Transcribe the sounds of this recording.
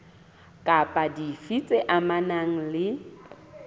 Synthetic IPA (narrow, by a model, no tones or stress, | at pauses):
kʼapʼadifit͡sʼeʔamanaŋ̩lɪ